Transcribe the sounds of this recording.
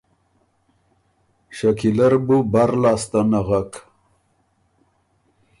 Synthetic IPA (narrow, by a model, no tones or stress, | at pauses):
ʃakilaɾbubaɾlɑːst̪anaɣak